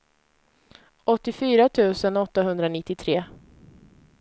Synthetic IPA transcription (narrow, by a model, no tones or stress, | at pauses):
ɔt̪ːɪfyːɾat̪ʰʉ̟ːsənɔt̪ːaɦɵnd̪ɾanɪt̪ːɪt̪ʰɾeː